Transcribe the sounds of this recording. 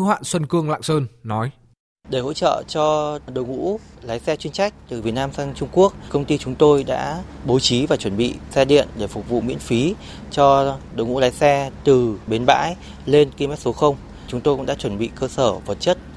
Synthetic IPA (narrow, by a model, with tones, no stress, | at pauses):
hwa̰ː˧˨nswə˧nkɨ˧əŋla̰ː˧˨ŋsəː˧nːɔ˨˦j | ɗe˧˩ho̰˧˥t͡ɕə̰ː˧˨t͡ɕɔ˧ɗə̰˧˩wŋṵ˧˥laː˨˦jsɛ˧t͡ɕwi˧ənsa˦˥jk̟̚t̪ɨ˨˩vi˨˩ət̚naː˧msaː˧ŋt͡ɕʊ˧ŋ͡mku˦˥ək̚kə˧wŋ͡mt̪i˧t͡ɕʊ˨˦ŋ͡mt̪o˧jɗa̰ː˧˥ɓo˨˦t͡ɕi˨˦vaː˨˩t͡ɕwə˧˩nɓḭ˧˨sɛ˧ɗḭ˧˨ənɗe˧˩fʊ˨˩k͡p̚vṵ˧˨mḭ˧˥ənfi˨˦ | t͡ɕɔ˧ɗo̰˧˩wŋṵ˧˥laː˨˦jsɛ˧t̪ɨ˨˩ɓe˨˦nɓa̰ː˧˥j | le˧nki˧mɛ˦˥t̚so˨˦xə˧wŋ͡m | t͡ɕʊ˨˦ŋ͡mt̪o˧jkʊ̰˧˥ŋ͡mɗaː˧˥t͡ɕwə˧˩nɓḭ˧˨kəː˧səː˧˩və˨˩t̚t͡ɕə˦˥t̚